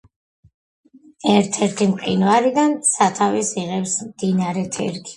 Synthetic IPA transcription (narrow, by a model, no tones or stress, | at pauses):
ɛɾt̪ʰɛɾt̪ʰimqʼḭnvaɾid̪ansat̪ʰavisiʁɛpsmd̪inaɾɛt̪ʰɛ̰ɾɡi̥